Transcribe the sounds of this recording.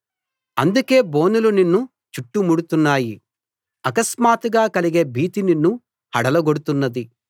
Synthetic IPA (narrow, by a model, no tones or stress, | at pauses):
ɐ̰nd̪uke̞ːbo̞ːnuluninːu | t͡ʃuʈːumuɽut̪unːaːji | ɐkɐsmaːt̪uɡaːkɐliɡe̞ːbʱiːt̪ininːu | hɐɽɐlɐɡoɽut̪unːɐd̪i